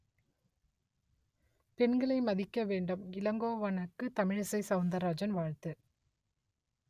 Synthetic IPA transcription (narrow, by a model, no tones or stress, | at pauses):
pɛnɡɐɭɐɪmɐðɪkːɐʋeːɳɖɯmɪlɐŋɡoːʋɐnɐkːɯt̪ɐmɪɻɐsɐɪsɐʊnd̪ɐɾaːd͡ʒɐnʋaːɻt̪ɯ